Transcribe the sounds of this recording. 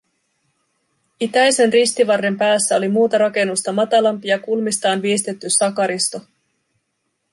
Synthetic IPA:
it̪æjse̞nrist̪iʋɑrːe̞mpæːsːæo̞limuːt̪ɑɾɑke̞nːust̪ɑmɑt̪ɑlɑmpiɑkulmist̪ɑːnʋiːst̪et̪ːysɑkɑɾist̪o̞

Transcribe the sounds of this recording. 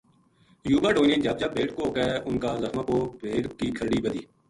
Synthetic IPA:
juːbaːɖoːnẽːd͡ʒɐb̚d͡ʒəbːeːʈ̚kooːɡaʔʊnkaːləxmãːkoːbeːɽkiːkʰəɾɽiːbəd̪iː

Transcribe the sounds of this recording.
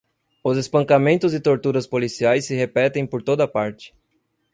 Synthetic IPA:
ʊzespɐ̃ŋkamẽnt̪ʊzɪt̪oɾt̪uɾɐspolisiajsːɪɦepɛt̪ẽj̃poɾt̪od̪ɐpaɾt͡ʃɪ̥

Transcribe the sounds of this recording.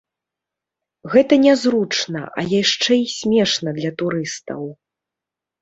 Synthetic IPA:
ɣɛt̪ɐnʲɛzɾut͡ʂnɐ̰ʔɐ̰jaʂt͡ʂɛisʲmʲɛʂnɐd̪lʲɐt̪uɾɨst̪ɐ̰w

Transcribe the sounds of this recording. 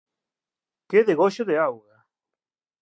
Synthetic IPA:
keðeɣoʃoðeawɣa

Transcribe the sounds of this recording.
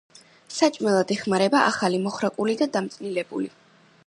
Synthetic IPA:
sat͡ʃʼmɛlˠad̪ɛχmaɾɛbaʔaχalimɔχɾakʼulid̪ad̪amt̪sʼnilɛbṵlḭ

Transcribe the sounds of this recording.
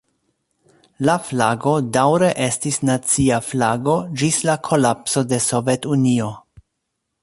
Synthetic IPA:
laflaɡo̞dawɾe̞ʔe̞stisnat͡siaflaɡo̞d͡ʒislakʰo̞lapso̞de̞sovetunio̞

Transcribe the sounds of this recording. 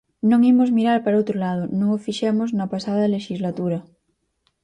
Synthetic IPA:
nõŋimozmiɾaɾpaɾot̪ɾolað̞onõŋofiʃemoznapasaðaleʃizlat̪uɾa

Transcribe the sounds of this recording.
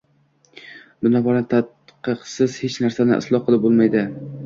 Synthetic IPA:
b̪ɪnɒbɒlant̪ʰat̪qɨqsɪz̥het͡ʃnaɾsanɪ̰ʔɪ̰slˠɒhqʰɨlˠɪp̚bolˠmajd̪ɪ

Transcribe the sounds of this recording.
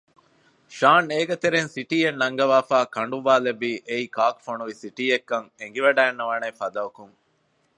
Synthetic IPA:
ʃaːneːɡɐt̪eɾensiʈiːenːɐŋɡɐʋaːfaːkɐɳɖuʋaːlebiːʔeikaːkfonuʋisiʈiːekːɐŋeŋɡiʋɐɖæːnːɐʋɐnefɐd̪ɐʋɐkuŋ

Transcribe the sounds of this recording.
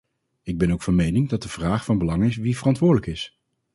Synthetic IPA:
ɪɡ̚bɛnowkfɑnmejnɪŋdɑt̚dəv̥raːχfɑnbəlɑŋɪsʋivərɑntʋʊːɹdələkɪs

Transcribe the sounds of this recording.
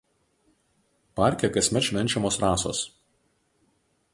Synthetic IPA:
pɑˑɾʲkʲɛkɐsʲmʲɛʃʲʋʲɛnʲt͡ʃʲɛmoːsɾɑːso̰ːs

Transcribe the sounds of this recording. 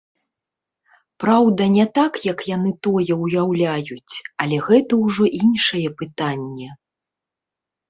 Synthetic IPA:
pɾawd̪ɐnʲɛt̪akjɐkjanɨt̪ɔjɛwjawlʲajut͡sʲɐlʲɛɣɛt̪ɐwʐɔʔinʂɐjɛpɨt̪anʲːɛ

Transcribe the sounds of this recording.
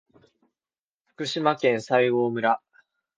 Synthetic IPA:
ɸɯ̥kɯ̟ɕimakẽ̞ɰ̃saiɡo̞ːmɯ̟ɾa

